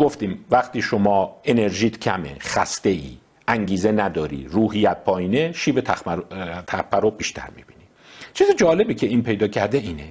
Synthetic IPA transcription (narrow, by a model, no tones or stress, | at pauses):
ɡ̥oft̪iːmvæχt̪iːʃomɒːe̞ne̞ɾʒiːt̪ʰcʰæmḛχæ̰st̪e̞ḭː | æŋɟiːzenæd̪ɒːɾḭːruːhijæt̪̚pʰɒːiːneʃiːbet̪ʰ | t̪ʰæχpʰæɾobiːʃt̪ʰæ̰ɾmḭb̥iːni | t͡ʃʰiːzed͡ʒɒːle̞bicʰeiːnpʰe̞jd̪ɒːcʰæɾd̪eiːne